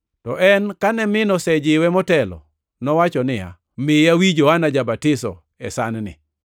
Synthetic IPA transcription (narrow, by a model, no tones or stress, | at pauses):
tɔʔɛnkanɛmɪnɔsɛd͡ʒɪwɛmɔtɛlɔ̰ | nɔwat͡ʃɔnɪa̰ | mɪawid͡ʒɔanad͡ʒabatɪsɔ̰ | ɛsannɪ̰